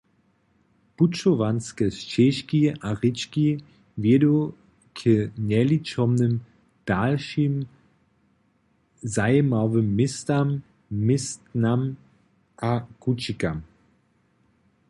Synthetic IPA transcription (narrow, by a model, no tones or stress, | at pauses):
put͡ʃovanskɛst͡ʃɛʃkiaʁɪt͡ʃki | vjɛdo | kʰənɛlit͡ʃɔmnəm | d̥alʃim | zajəmavəmːɪstamː | ɪstnam | ʔakut͡ʃikam